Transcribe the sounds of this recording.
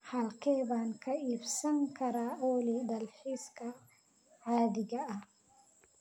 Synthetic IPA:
hɐlkʰɛːbaːŋkʰɐʔiːbsɐŋkʰɐɾaːʔɔːlid̪ɐlħiskʰɐ | ʕaːd̪ɪɣɐɐ

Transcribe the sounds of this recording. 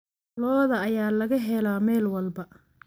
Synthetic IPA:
lɔːðɐːjaːlɐɣɐɦɛlaːmɛːlwɐlbɐ

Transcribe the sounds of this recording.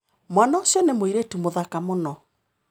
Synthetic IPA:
mwanaɔsjɔnemoiɾetumoðakamonɔ

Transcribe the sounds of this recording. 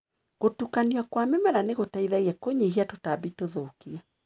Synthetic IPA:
ɣotukaniakwamɛmɛɾaneɣotaiðaiɛkoɲehiatotabitoðokia

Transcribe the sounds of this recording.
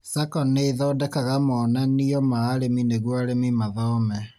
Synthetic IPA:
sakɔneːðɔːdɛkaɣamɔnaniɔmaːɾemineɣwaɾemimaðɔmɛ

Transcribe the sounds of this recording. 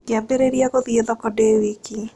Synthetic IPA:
ɡɪabeɾeɾiaɣoðieðɔkɔdewiki

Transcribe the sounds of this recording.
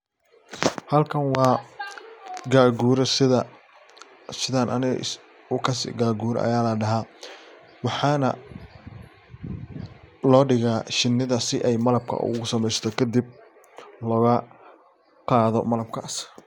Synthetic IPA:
hɐlkʰɐnwɑː | ɡaːɡuːɾɔɐ | sɪðaːnʔɐnɪɣɐ̰ʔs | ʊkʰɐsɪ̰ɡaːɡuːɾɔ̰ʔɐ̰jaːlɐɖɐɦaː | wɑħɑːnɐ̰ | lɔːɖɪɣaːʃɪnːɪðɐsɪʔɛjmɐlɐb̚kʰɐ̰ʔʊ̰ɣʊsɐmɛjst̪ʰɔkʰɐd̪ib̚ | lɔːɣɐ | qɑːðɔ̰mɐlɐb̚kʰaːs

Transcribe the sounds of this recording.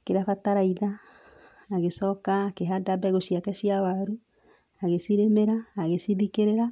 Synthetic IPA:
keɾafataɾaiðaː | ɣesɔːkaːkeɦadabɛɣoʃiakɛʃiawaɾu | aɣesiɾemeɾaːɣesiβikeɾeɾa

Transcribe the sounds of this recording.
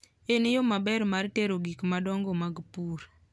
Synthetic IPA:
enjomabɛɾmarteɾoɡikmadɔŋɡɔmaɡpuɾ

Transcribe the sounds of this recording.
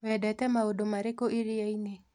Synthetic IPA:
wɛdɛtɛmaodomaɾekoʔiɾiaine

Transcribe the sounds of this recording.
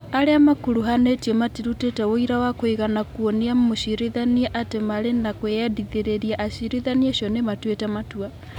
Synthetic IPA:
aɾeamakuɾuɦanetiematiɾutetɛwoiɾawakoiɣanakuoniamoʃiɾeðanieʔatemaɾenakweadiðeɾeɾiaʔaʃiɾeðanieʃjɔnematwetɛmatwa

